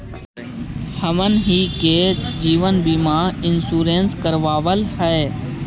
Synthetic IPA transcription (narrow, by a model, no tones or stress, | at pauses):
həmənɦiːkeːd͡ʒiːʋənbiːmãːɪnsuːɾẽːnskəɾʋaːʋəlhɛː